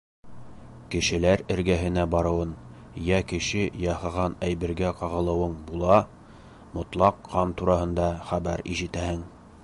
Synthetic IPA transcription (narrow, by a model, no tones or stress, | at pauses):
kɘ̆ʃɘ̆læɾɘ̆ɾɡæɦɘ̆næbɑɾɤ̆wɤn | jækɘ̆ʃɘjɑhɤʁɑnæjbɘ̆ɾɡæqɑʁɤ̆lˠɤ̆wɤɴbulˠɑ | mŏt̪lˠɑqʰːɑnt̪uɾɑhɤ̆nd̪ɑχæbæɾiʒɘ̆t̪æhɘŋ